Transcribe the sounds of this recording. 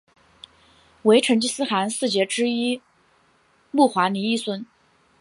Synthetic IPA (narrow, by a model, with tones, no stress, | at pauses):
we˧˥ɪʈ͡ʂʰə˧˥nt͡ɕi˥˧sɹ̩˥xa˧˥nsɹ̩˥˩t͡ɕjɛ˧˥ʈ͡ʂɻ̩˥i˥ | mu˥˩xwa˧˥ni˧˥i˥˩swə˥˩n